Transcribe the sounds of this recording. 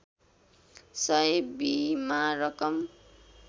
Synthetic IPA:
sʌebimaɾʌkʌm

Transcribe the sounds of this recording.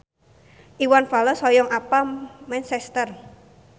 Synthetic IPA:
ʔiwanfalɔsɔjɔŋapamɛnsɛst̪ər

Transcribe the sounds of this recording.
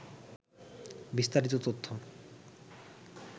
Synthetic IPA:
bist̪aɾit̪ot̪ot̪ʰːo

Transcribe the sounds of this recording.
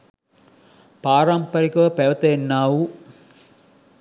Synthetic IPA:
paːɾampɐɾikɐʋɐpɛʋɐt̪ɐenːaːʋu

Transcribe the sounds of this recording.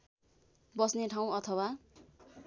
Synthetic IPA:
bʌsneʈʰaw̃ʌt̪ʰʌwa

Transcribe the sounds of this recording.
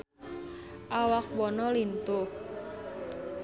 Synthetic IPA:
ʔawak̚wɔnɔlint̪ʊh

